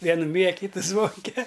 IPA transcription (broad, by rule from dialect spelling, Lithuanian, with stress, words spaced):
ˈʋʲiɛnʊ mʲiːjɛ ɐ ˈkʲiːtʊ ˈzʋoːŋʲkʲɛ